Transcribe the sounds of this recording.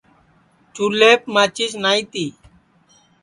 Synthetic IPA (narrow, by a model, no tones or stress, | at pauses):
t͡ʃuleːpmaːt͡ʃisnaːit̪iː